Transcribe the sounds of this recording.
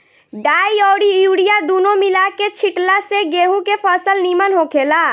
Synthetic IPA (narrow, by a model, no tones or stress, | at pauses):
ɖaːiɔːɽiuːɽijad̪uːnomilaket͡ʃʰiʈlaseɡeːɦũkepʰəːsəlnimənɦokʰeːla